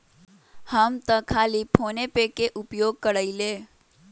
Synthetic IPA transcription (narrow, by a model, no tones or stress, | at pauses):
həmt̪əkʰaːlipʰoːnepekeʔʊpjoːɡ̚kəɽəileː